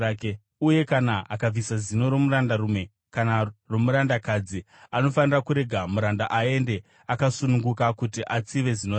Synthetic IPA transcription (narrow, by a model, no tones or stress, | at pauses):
uje̞kanaːakavisazino̞ɾo̞muɾandaɾume̞ | kanaromuɾandakad͡zi | ano̞fanirakuɾe̞ɡʱamuɾandaʔae̞nde̞ | akasunuŋɡukakutiʔat͡siʋe̞zino